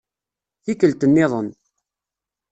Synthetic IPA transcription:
θikəlt̪ənːɪðˤən

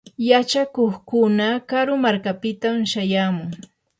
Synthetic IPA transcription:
jat͡ʃakoχkʊnakaɾʊmaɾkapɪt̪amʃajaːmʊŋ

